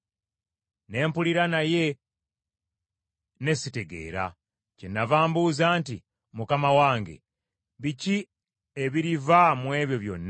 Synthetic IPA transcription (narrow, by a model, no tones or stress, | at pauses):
ne̞ːmpuliɾanaje̞ | ne̞site̞ɡe̞̰ːɾa̰ | cenːavaːmbuzaːnti | mukamawaːŋɡe̞̰ | βici | eβiɾivamwe̞ːβjo̞βjo̞̰nːa